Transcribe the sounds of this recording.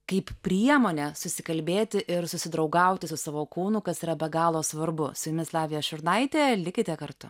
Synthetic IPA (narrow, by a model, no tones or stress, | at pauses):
kɐɪppʲɾʲiɛmoːnʲɛsʊsʲɪkɐlʲbʲeːt̪ʲɪʔɪɾsʊsʲɪd̪ɾɐʊɡɐʊt̪ʲɪsʊsɑːʋoːkuːnʊkɐsiːɾɐbʲɛɡɑːlˠoːsʋɐɾbʊsʊjʊmʲɪslˠɑːʋʲɪjɛʃʊrnɐɪt̪ʲeːlʲɪkʲɪt̪ʲɛkɐɾt̪ʊ̰